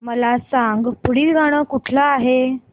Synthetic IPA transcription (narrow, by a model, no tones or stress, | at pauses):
məlasaŋɡpuɽiːlɡʱaɽ̃əːkuʈʰləaɦe